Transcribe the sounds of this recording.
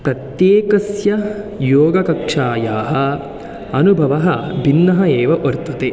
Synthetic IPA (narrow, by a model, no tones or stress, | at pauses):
pɾɐt̪jeːkɐsjɐjoːɡɐkɐkʂaːjaːɦɐ̆ | ɐnubʱɐʋɐɦɐ̆bʱinːɐɦɐeːʋɐʔoɾt̪ɐt̪e